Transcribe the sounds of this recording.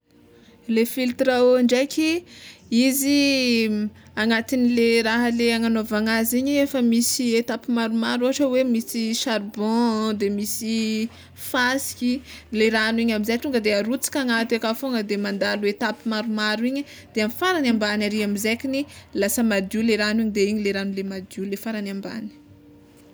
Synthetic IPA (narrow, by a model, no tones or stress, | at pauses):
lefilt̪ɾaoaɳɖ͡ʐajkʲi | izi | aŋat̪inileɾaɦəleaŋanovaŋaziɲiefəmisiet̪apimaɾumaɾoɦaʈ͡ʂəwemisiʃaɾbɔ̃d̪emisi | fasi̥kʲileɾaniɲamizajt̪uŋɡəd̪eaɾut͡si̥kʲaŋat̪akafoŋəd̪emand̪aluet̪apimaɾumaɾuiɲə | d̪̥eamifaɾanãmbanaɾiamizekʲinilasəmad̪juleɾanuiɲd̪eiɲileɾanulemad̪julefaɾanamba̰ni̥